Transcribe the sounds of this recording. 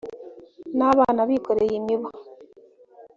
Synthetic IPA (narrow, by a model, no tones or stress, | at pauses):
naβanaβiːkoɾejimiβa